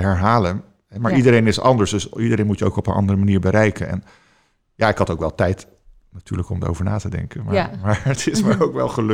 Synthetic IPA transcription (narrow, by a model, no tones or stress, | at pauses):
əɦɛɹɦaːlən | ɦɛmaːɹʔidəɾejnɪsɑ̰ndəɹsdɵsidəɾejnmutjəo̰wkɔpənʔɑ̰ndərəmaniːɹbəɾɛjkənɛ̰n | jaːɪkɦɑtowkʋɛlˠtɛjt | natyːɹləkɔmda̰o̰wvəɹna̰ːtədɛ̰ŋkəmamaːɹətʰɪsməɹowkʋɛ̰lˠχəl